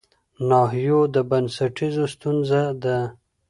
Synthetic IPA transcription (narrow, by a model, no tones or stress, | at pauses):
nɑɦijod̪əbansaʈizost̪unzad̪ə